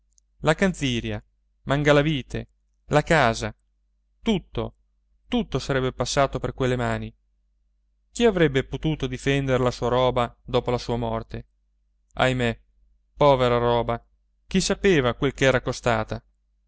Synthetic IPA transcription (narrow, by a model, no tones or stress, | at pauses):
lakansiːɾja | maŋɡalaviːt̪ḛ | lakaːza | t̪ut̪ːo̰ | t̪ut̪ːosaɾɛbːepasːaːt̪operkwelːemaːni | k̟iavɾɛbːepot̪uːt̪od̪ifɛnd̪eɾelasuːaɾɔːbad̪ɔːpolasuːamɔrt̪e | a̰jme | pɔːveɾaɾɔːba | k̟isapeːvakwelkeɛːɾakost̪aːt̪a